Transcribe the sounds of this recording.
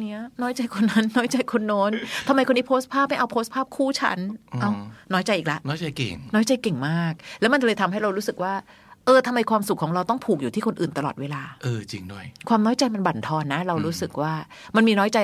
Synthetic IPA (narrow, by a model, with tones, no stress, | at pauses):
ni˦˥ɐnɔː˦˥jt͡ɕa˧jkʰo˧nːa˦˥nːɔː˦˥jt͡ɕa˧jkʰo˧nːoː˦˥nt̪ʰa˧mːa˧jkʰo˧nːi˦˥pʰo˦˥st̪̚pʰaː˥˩p̚ma˥˩ʔa˧wpʰo˦˥st̪̚pʰaː˥˩p̚kʰuː˥˩t͡ɕʰa̰˦˥nʔa˧˩wnɔː˦˥jt͡ɕa˧jʔiː˨˩kla˦ʔnɔː˦˥jt͡ɕa˧jkḛ˨˩ŋnɔː˦˥jt͡ɕa˧jke˨˩ŋmaː˥˩k̚lɛ˦˥ma˧nt͡ɕa˧lɤː˧jt̪ʰa˧mɦa˥˩jɾa˧wɾuː˦˥sɯ˨˩k̚waː˥˩ | ʔɤː˧t̪ʰa˧mːa˧jkʰwaː˧msu˨˩kʰːɔː˩˦ɾa˧wt̪ɔ˥˩ŋpʰuː˨˩k̚juː˨t̪ʰiː˥˩kʰo˧nʔɯː˨˩nt̪a˧lɔ̰ː˨˩t̪̚weː˧laː˧ʔɤː˧t͡ɕḭ˧ŋdu˥˩əjkʰwaː˧mnɔː˦˥jt͡ɕa˧jma˧nba˨˩nt̪ʰɔː˧nːa˦˥ɾa˧wɾuː˦˥sɯ˨˩k̚waː˥˩ | ma˧nmiː˧nɔː˦˥jt͡ɕa˧j